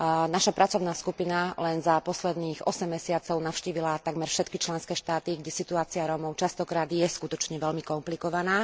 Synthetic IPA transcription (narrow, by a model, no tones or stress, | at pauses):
naʃapɾat͡sɔʊnaːskupinalɛnzapɔslɛd̪niːɣɔ̰sɛmːɛsɪat͡sɔʊnaʊʃciːʋilat̪aɡmɛɾfʃɛt̪kit͡ʃlɛnskɛːʃt̪aːt̪iɡɟɛsit̪uaːt͡siaɾɔmɔʊt͡ʃast̪ɔkɾaːd̪jɛskut̪ɔt͡ʃɲɛʋɛlmikɔmplikɔʋanaː